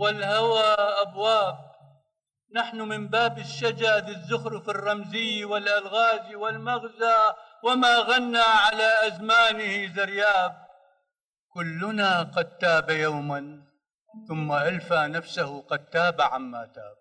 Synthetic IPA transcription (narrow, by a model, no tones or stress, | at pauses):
wɪlhawaʔabwaːb̚ | naħnʊmɪmbaːbɪʃːad͡ʒad̪ɪzːʊhɾfɪrˤːɑmzɪjːwɪlʔalɣaːziwɪlmaɣza | wɪmaːɣanːaʕalaʔazmaːnɪhizɪɾjaːb̚ | kʊlːʊnaqɑd̪̚t̪aːbajawman | θʊmːaʔalfanafsahqɑd̪̚t̪ːaːbaʕamːa̰t̪a̰ːb̚